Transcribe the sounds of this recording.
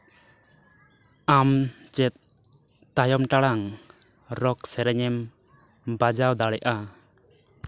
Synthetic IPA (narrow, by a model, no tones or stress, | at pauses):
amt͡ʃɛt̪̚ | t̪ajɔmʈaɽaŋ | ɾɔksɛɾɛɲɛm | bad͡ʒawd̪aɽɛʔa